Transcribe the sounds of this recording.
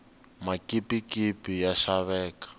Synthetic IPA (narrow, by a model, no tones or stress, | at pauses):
makipikipijaʃaβɛːkḁ